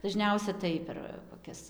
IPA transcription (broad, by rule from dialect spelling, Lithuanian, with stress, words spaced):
dɐˈʒʲnʲɛʊsʲɛ tɐɪ pʲɛr koːˈkʲɛs